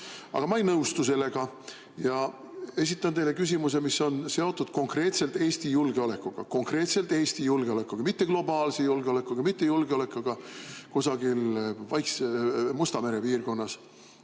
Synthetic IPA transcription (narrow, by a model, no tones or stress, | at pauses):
ɑ̰ɡ̥ɑmɑejnɤust̪use̞lːe̞ɡ̥ɑ | jɑ | e̞s̬it̪ːˑɑnt̪ele̞kys̬ʲimus̬e̞miso̞nse̞o̞t̪ːˑud̪̥ko̞ŋkre̞ːt̪se̞lt̪eːst̪ijulɡ̥e̞o̞le̞kːuɡ̥ɑ̰ko̞ŋkre̞ːt̪se̞lt̪ˑe̞ːst̪ijulɡ̥eole̞kːukɑmit̪ːe̞ɡ̥lo̞bɑːlsejulɡeo̞le̞kːˑukɑmit̪ːe̞julɡ̥eo̞le̞kːˑɑɡ̥ɑkusɑɡilvɑjksmust̪ɑme̞ɾe̞piːrɡo̞nːɑs